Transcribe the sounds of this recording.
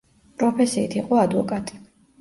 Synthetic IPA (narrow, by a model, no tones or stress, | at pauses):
pʼɾɔpʰɛsiːt̪ʰiqʼɔad̪vɔkʼat̪ʼi̥